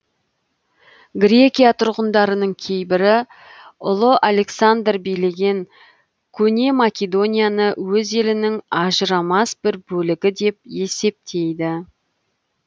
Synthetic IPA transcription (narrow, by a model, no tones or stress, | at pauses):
ɡɾʲe̞kʲijat̪ʰʊɾʁənd̪ɑɾənəɴkʲʰe̞jbɪɾɪ | ʊlˠəʔale̞ksand̪rbijle̞ɡʲe̞ŋ | kʲʰɵnʲe̞makʲed̪o̞nʲijanəwɵze̞lɪnɪŋɑʒəɾɑmɑsb̥ɪɾbɵlɪɡʲɪd̪e̞p̚e̞se̞p̚t̪ʰe̞jd̪ɪ